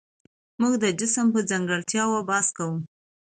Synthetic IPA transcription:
muɡd̪əd͡ʒɪsəmpəd͡zaŋɡəɽt̪jɑwabɑskawum

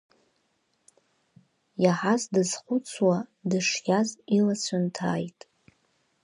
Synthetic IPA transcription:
jaħazdɨz̥χʷʊt͡sʰwadɨʂjʲazilat͡ɕʷʰantʰaːjtʼ

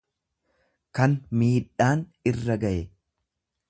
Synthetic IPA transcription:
kɐnmiːᶑaːnɪrːɐɡɐʔɛ

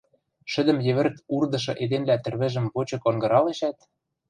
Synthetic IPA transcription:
ʃɘ̆d̪ə̆mjɘ̆βɘ̆rt̪urd̪ɤ̆ʃɤ̆ʔed̪enlæt̪ɘ̆rβɘ̆ʒə̆mβot͡ɕɤ̆koŋɡɤ̆ɾɑleʃæt̪

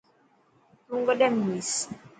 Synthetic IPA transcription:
uŋɡɔdɛmwis

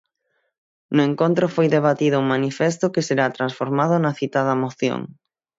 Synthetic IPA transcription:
nʊeŋkõnt̪ɾofojðeβ̞at̪iðʊuŋmanifes̬t̪ʊkɪseɾat̪ɾansfoɾmað̞ʊnɐθit̪aðamoθjo̰ŋ

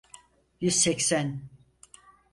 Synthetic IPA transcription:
jyz̥sɛcsæn

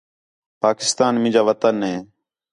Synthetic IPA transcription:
paːkɪ̥st̪aːnmɪ̃ːd͡ʒaːʋət̪ənɦeː

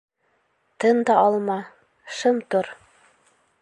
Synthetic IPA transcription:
t̪ɤnd̪ɑɑlˠmɑ | ʃɤmt̪oɾ

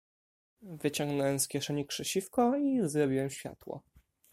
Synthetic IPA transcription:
vɘt͡ɕɔŋɡnɔwɛmskʲɛʂɛɲikʂɘɕifkɔizɾɔbʲiwɛmɕfʲja̰t̪wɔ̰

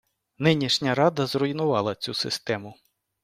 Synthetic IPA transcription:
nɪnʲiʃnʲɐɾɑd̪ɐzrɔinʊʋɑlˠɐt͡sʲusɪst̪ɛmʊ

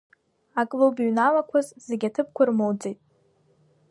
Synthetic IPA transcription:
akʼlobɥnalakʷʰazzeɡʲatʰɨp̚ʰkʷʰarmowd͡zejtʼ

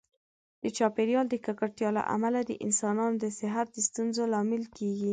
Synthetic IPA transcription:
d̪̥ət͡ʃɑpeɾjɑld̪əkakaɽt̪jɑla̰ʔa̰malad̪ə̰ʔɪ̰nsɑnɑnod̪əsɪɦat̪̚d̪əst̪unzolɑmɪlkeɡi

